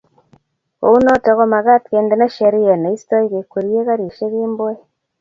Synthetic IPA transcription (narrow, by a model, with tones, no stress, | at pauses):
o̰˨u˦no˦te˨ɣo˦ma˨ɣa˦tke˨nde˨na˦ʃe˨ɾi˦e˨na˨i˦sto˦i˦ɣe˨ku˨ɾie˦ɣa˦ɾi˨ʃe˦ɣeː˦mboe